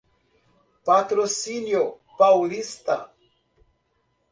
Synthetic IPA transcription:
pat̪ɾosinjo | pawlist̪a̰

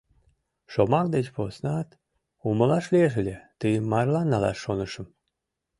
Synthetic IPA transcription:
ʃomɑkd̪et͡ɕposnɑt̪ | uməlɑʃlʲeʒelʲet̪ɨjəmːɑrlɑnːɑlɑ̰ʃːonəʃəm

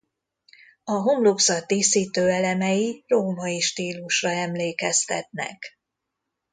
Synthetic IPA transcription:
ɒɦomloksɒt̪eːsiːt̪øːɛlɛmɛjiroːmɒiʃt̪iːluʃrɒɛmleːkɛst̪ɛ̰t̪nɛ̰k

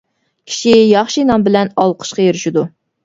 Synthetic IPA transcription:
kʲʰi̥ʃijɑχʃinɑmbɪlɛnɑlˠqʰə̥ʃqɑjeɾɪʃid̪u

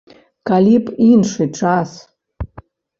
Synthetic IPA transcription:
kalʲipinʂɨʈ͡ʂʰʼas

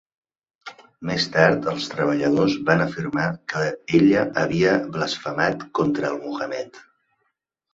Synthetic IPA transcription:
mest̪aɾt̪əlˠst̪ɾəβ̞əʎəðozβanəfirmakəeʎəʔəβiəβləsfəmat̪kɔnt̪ɾəːlˠmuɣəmɛt̪

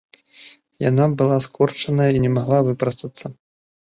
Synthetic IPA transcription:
ja̰nabɨlˠaskʰɔrt͡ʂɐnɐjɐinʲɛmaɣlˠavɨpɾɐst̪ɐt̪sːɐ

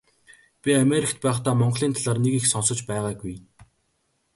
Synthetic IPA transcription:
pʲiameɾikt̪̚pæːχt̪aːmɔɴɢɮiːnt̪ʰaɮaːrnekixsɔnsɞ̆t͡ɕpæɛʁaːɡuj

